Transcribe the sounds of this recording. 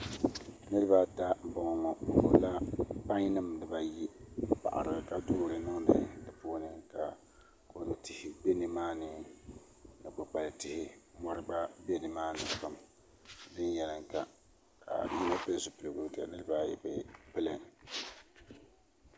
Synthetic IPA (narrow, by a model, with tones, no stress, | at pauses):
nɨ˦ɾɨ˦ba˦ta˦˨bɔ˨ŋ˨ŋɔ˨ko˨la˦pa˦ɲ˦nɨ˦mdɨ˨ba˨ji˦pa̰˨ʔa̰˨ɾɨ˨ɡɨ˨ka˨dʊː˦ɾɨ˨nɔ˦nɨ̰˦dɨ˨po˦nɨ˦ka˨ | ko˨lɨ˨tɪ˨hɪ˨be˦nɨ˨maː˦nɨ˦ | nɨ˨k͡pʊ˨k͡pa˨lɨ˨tɪ˦hɪ˦mɔ˦ɾɨ˦ba˦be˦nɨ˨maː˦nɨ˨ka˨m | dɨ˦n˦jɛ˨lɨ˨ŋka˨ | ka̰˨ji˦na˦pɨ˦lzu˨pɨ˨lɨ˨ɡu˨˦ta˨nɨ˦ɾɨ˦ba˦jɛ̰˨bɛ˦pɨ˦lɨ˨ŋ